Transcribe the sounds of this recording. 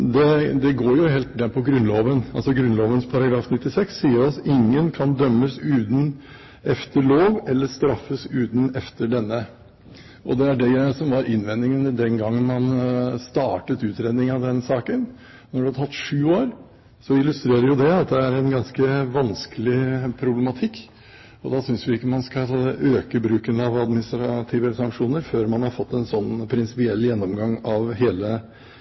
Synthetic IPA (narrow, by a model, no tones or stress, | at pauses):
d̪ɛd̪ɛɡoːɾjʊɦeːlt̪d̪ɛpʰɔɡɾʉnloːʋənɑ̰lsɔɡɾʉnloːʋənspʰɑɾɑɡɾɑːfnɪt̪ːɪsɛksːiːəɾɔsɪŋːənkʰɑnd̪œmːəsʉːt̪n̩ | ɛft̪ʰəɭoːʋɛlːəʂt̪ɾɑfːəsʉːt̪n̩ɛft̪əɖɛnːə | ʔɔd̪ɛæɖɛsɔmʋɑɾʔɪnʋɛnːɪŋənd̪ɛnɡɑŋːnmɑnst̪ɑːʈət̪ʉːt̪ɾeːd̪nɪŋɑʋd̪ɛnsɑːkən | nɔɖʉhɑd̪ʰɑt̪ːʂʉːoːɾ | sɔɪlʉst̪ɾeːɾəɾjʊd̪ɛɑt̪̚d̪ɛæɾɛnɡɑnskəʋɑnskəlɪpʰɾʊblɛmɑt̪ʰɪkː | ɔd̪ɑsʏnsʋɪɪkːəmɑnskɑøːkəbɾʉːkənəɑʋɑd̪mɪnɪst̪ɾɑt̪ʰiːʋəsɑŋkʂuːnəɾføːɾmɑnhɑɾfɔt̪ːɛnsɔnːpʰɾɪnsɪpɪɛlːjɛnːɔmɡɑŋːɑʋɦeːlə